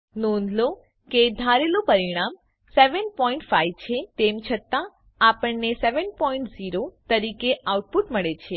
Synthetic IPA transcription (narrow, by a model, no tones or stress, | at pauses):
nɔ̃nd̪lo | ked̪ʱaɾelõpəɾiɽ̃am | seʋənpɔĩɳʈfaiʋt͡ʃʰet̪emt͡ʃʰət̪ã | apəɳneseʋənpɔiɳʈziɾot̪əɾikeʔauʈ̚puʈməɭet͡ʃʰe